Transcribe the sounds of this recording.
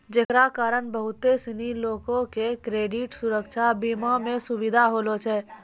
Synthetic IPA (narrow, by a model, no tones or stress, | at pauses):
d͡ʒeːkɾakaːɾəɳbəɦʊt̪ːesiniloːkõkekɾeːɖɪʈsʊɾəkʃʰabimamẽsʊʋid̪ʱaɦoːlot͡ʃʰɛ